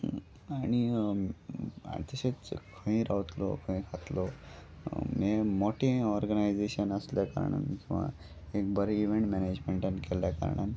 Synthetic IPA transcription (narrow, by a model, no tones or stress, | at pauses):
añi | a̰t̪əɕet͡skʰə̃ĩɾaʋt̪lɔ̰kʰə̃ĩkʰat̪lɔ | memɔʈeɔɾɡənajd͡zeɕənəsljakə̰ɾɳa̰nkĩw̃ʋa̰ | ek̚bəɾeiʋẽɳʈmɛned͡ʑmeɳʈankɛljakə̰ɾɳa̰ni